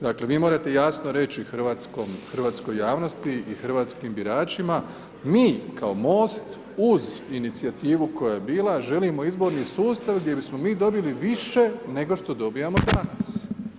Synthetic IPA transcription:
d̪akle̞ʋiːmo̞ːɾat̪e̞jasno̞ɾe̞t͡ɕixr̩ʋat̪skomxr̩ʋaːt̪sko̞jːaːʋno̞st̪iixrʋaːt̪skiːmbiɾaːt͡ʃima | miːkʰao̞mo̞ːst̪ | uzinit̪siat̪iːʋuko̞jajebiːlaʒe̞limo̞izbo̞ɾnisuːst̪aʋɡd̪ʲje̞bismo̞miːd̪o̞biliʋiʃe̞ne̞ɡo̞ʃt̪o̞d̪o̞bijamo̞d̪anas

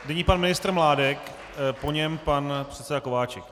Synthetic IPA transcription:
dɛɲipanmɪnɪst̪ɾ̩mlaːdɛk | po̞ɲɛmpanpr̥ɛt̪sɛdako̞vaːt͡ʃɛk

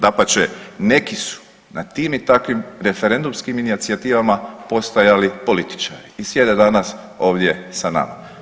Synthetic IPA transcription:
d̪apat͡ʃene̞kisu̥ | nat̪iːmit̪akʋimɾe̞feɾe̞nd̪umskiminit̪siat̪iːʋamapo̞st̪ajalipo̞lit̪i̥t͡ʃaɾiːsje̞d̪e̞d̪anas | o̞ːʋd̪je̞sana̰ma̰

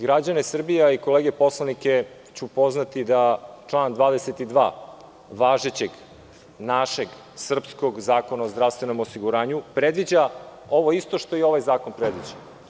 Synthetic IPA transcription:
ɡɾad͡ʑanesr̩bijaiko̞leːɡepo̞slˠanike̞ | t͡ɕupo̞znat̪id̪at͡ʃlˠaːnd̪ʋaːd̪eset̪id̪ʋa̰ː | ʋaːʒet͡ɕeɡ | naʃe̞ɡ | sr̩psko̞ɡzaːkonaozd̪ɾafst̪ʋe̞no̞mosiɡuɾaːɲupɾed̪ʋid͡ʑa | o̞ʋo̞ist̪o̞ʃt̪o̞io̞ʋajzaːko̞npɾed̪ʋid͡ʑa

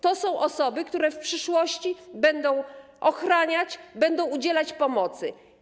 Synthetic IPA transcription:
t̪ɔsɔ̃w̃ʔɔsɔbɘkt̪uɾɛfpʂɘʂwɔɕt͡ɕibɛnd̪ɔ̃w̃ʔɔxɾaɲat͡ɕbɛnd̪ɔ̃w̃ud͡ʑɛlat͡ɕpɔmɔt̪sɘ̰

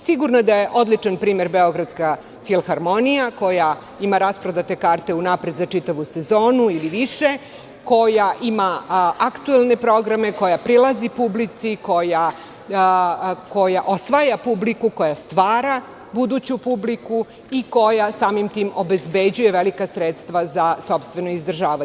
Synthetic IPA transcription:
siɡuɾnad̪aje̞ʔo̞d̪lit͡ʂanpɾiːme̞ɾbeo̞ɡɾad̪t̪ska | filˠxaɾmo̞nijako̞ja | imaɾaspɾod̪at̪e̞kaːɾt̪e̞unapɾe̞d̪zat͡ʂit̪aʋuse̞zo̞ːnuiliʋiʃe̞ | ko̞jaʔimaakt̪uelˠne̞pɾo̞ɡɾame̞ko̞japɾilˠazipublit̪siko̞ja | ko̞jaʔo̞sʋajapublikuko̞jast̪ʋaːɾa | bud̪ut͡ɕupubliku | iko̞jasaːmimt̪iːmobe̞zbe̞d͡ʑuje̞ʋelikasɾet̪st̪ʋazaso̞pst̪ʋe̞noizd̪r̩ʒaːʋa

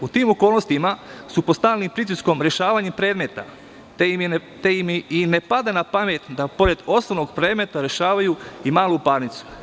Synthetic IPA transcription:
ut̪iːmo̞ko̞ːlˠno̞st̪imasupost̪aːlnimpɾit̪̬isko̞mɾe̞ʃaːʋaɲepɾeːd̪me̞t̪a̰ | t̪eiminepad̪anapame̞t̪d̪apo̞ɾe̞d̪o̞snoʋno̞ɡpɾeːd̪me̞t̪aɾe̞ʃaːʋajuimaːlˠupaːɾnit̪su̥

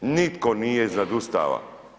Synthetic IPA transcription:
nit̪koniːjeznad̪ust̪a̰ʋa̰

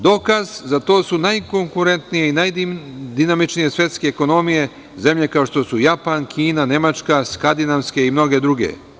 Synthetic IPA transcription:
d̪o̞kazzat̪o̞ːsunajko̞ŋkuɾe̞nt̪nije̞inajd̪inamit͡ʃnije̞sʋje̞t̪ske̞ːko̞no̞mije̞ | ze̞mʎe̞kao̞ʃt̪o̞sujapankʰiːnane̞mat͡ʃkaskand̪inaʋske̞imno̞ɡe̞d̪ɾuɡe̞̰

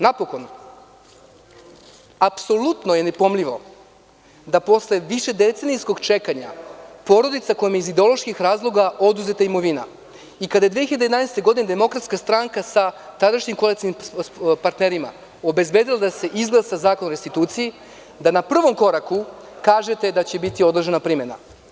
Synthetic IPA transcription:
napo̞ko̞n | apso̞lut̪noje̞ne̞po̞mʎʲiʋo̞̰ | d̪apo̞sle̞ʋiʃe̞d̪e̞t̪senijsko̞ɡt͡ʃekaɲa̰po̞ɾo̞d̪it̪sako̞jimjeizid̪eo̞lˠo̞ʃkixɾaːzlˠo̞ɡao̞d̪uzet̪aimo̞ʋina̰ | ikad̪aje̞d̪ʋeçiʎad̪eed̪anejst̪e̞ɡo̞d̪ined̪e̞mo̞kɾat̪skast̪ɾaŋkasat̪ad̪aʃɲimkoalik̪t̪inimpaɾt̪ne̞ɾima̰ | o̞be̞zbe̞ːd̪ilˠad̪ase̞ʔizɡlˠasazaːko̞nɾest̪it̪uːt̪siji | d̪anapr̩ʋo̞mko̞ɾaku | kaːʒe̞t̪ed̪at͡ɕe̞bit̪io̞d̪ɾr̩ʒenapɾimena̰

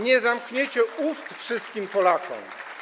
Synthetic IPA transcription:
ɲɛzamkɲet͡ɕɛust̪fʂɘst̪̚kʲimpɔlakɔ̰m

